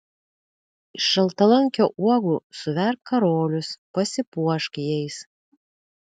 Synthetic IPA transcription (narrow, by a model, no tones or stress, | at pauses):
ɪʃɐlˠt̪ɐlˠɐŋʲkʲoːʔuɔɡusʊʋʲɛɾp̚kɐɾoːlʲʊspɐsʲɪpuɔʃkʲjɛɪs